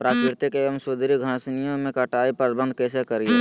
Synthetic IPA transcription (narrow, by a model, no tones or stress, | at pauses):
pɾaːkɾɪɾt̪ekeɐmsʊd̪ɾiɡʱãːsnijõmẽkɐʈaːipɐɾbə̃nd̪̚ʱkɛːsekɐɾie